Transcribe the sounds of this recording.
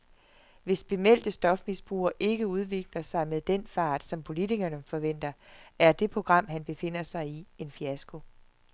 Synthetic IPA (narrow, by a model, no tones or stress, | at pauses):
ʋe̝sb̥e̝mel̰d̥əsd̥ɒ̽fmisb̥ʁṵːɐʔe̝ɡ̥əuð̞ˠʋe̝ɡ̥lɐsɑ̈ɪmeðˠd̥enfɑ̈ːd̥sɒ̽mpʰo̝lit͡sʰiɡ̥ɐnəfɒ̽ʋen̰d̥ɐæɐd̥e̝pʰʁo̝ɡ̥ʁɑ̈m̰ɦænb̥e̝fe̝n̰ɐsɑ̈ɪie̝nfiæsɡ̥o̝